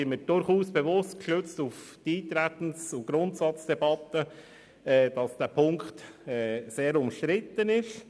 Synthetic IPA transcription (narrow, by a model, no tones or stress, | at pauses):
ɪnməd̥ʊɾχuːsb̥evʊstkʃøt͡stufdiːt̪ɾæt̪n̩sʊɡ̥ɾʊntsɑt͡sd̥ɛbɑtə | ɛːd̥ɑsd̥æːpʰʊŋktɛːseːɾʊmʃtɾɪt̪ənɪʃ